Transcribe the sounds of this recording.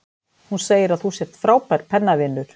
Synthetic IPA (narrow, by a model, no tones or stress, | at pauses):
hunseːjɪɾaðθusɛɾ̥t̪fɾaːwpajɾpʰɛnːavɪnːʏɾ̥